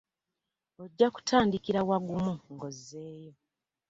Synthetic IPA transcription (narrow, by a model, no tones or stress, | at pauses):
o̞ɟːaku̥tʰaːndikiɾawaɡumuŋɡo̞zːe̞ːjo̞